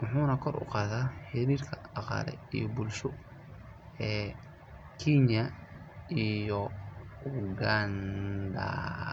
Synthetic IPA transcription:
wʊħuːnɐkʰɔrʔʊ̰qɑːðaːħɪɾiːrkʰɐ̥ɑqɑ̰ːlɛ̰ijɔbʊlʃʊ | ɛː | kʰinjɐ | ijɔʊɡɐnd̪ɐ̰

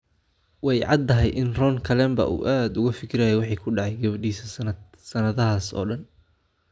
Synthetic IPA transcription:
wɛjʕɑ̰d̪ɐɦɛjʔɪnrɔːŋkʰɐlɛmbɐ̰ʔṵːʔaːd̪ʊɣɐfɪkʰɪɾajɛwɑħiːkʰʊɖɑʕɑjɡɐβɐɖiːsɐsnɐ | sɐnɐðɐɦaːsɔ̰ːɖɐn

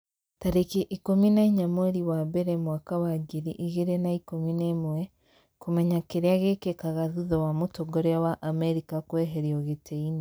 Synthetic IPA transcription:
taɾekiʔikominaiɲamoɾiwabeɾɛmwakawaɡiɾiʔiɣeɾenaikominemwɛ | komɛɲakeɾeaɣekekaɣaðuðɔwamotoɡoɾeawaʔamɛɾikakwɛɦeɾiɔɣetʰeini

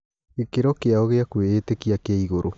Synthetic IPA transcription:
ekeɾokeaoɣeakueːt̪ekiakeiɣoɾo

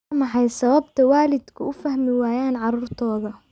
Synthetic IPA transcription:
mɑħɑjsɐβɐb̚t̪ʰɐwaːlɪd̪kʰʊʊfɐhmɪwaːjaːnʕɑruːrt̪ʰɔːðɐ

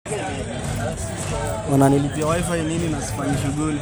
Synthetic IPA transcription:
wananilipiawajfainininasi̥faɲaʃ̬uɠuli

